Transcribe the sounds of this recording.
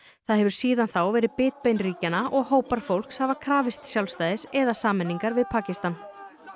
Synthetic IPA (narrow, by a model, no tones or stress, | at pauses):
θaðɦɛvʏɾ̥siːðanθawvɛːɾɪðpɪːt̪̚pejnriːcanaʔɔɣɦoːwpaɾ̥fowl̥kshavakʰɾaːvɪst̪sjawlst̪aːjðɪsɛðasaːmɛnːiŋkaɾvɪðpʰaːcɪst̪an